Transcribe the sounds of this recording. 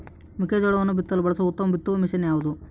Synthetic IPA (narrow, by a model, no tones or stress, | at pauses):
mikeːd͡ʒoɽɐʋɐnːubit̪ːɐlbɐɭɐsɐut̪ːɐmɐbit̪ːɐmɐmiʃɐnjaːʋud̪u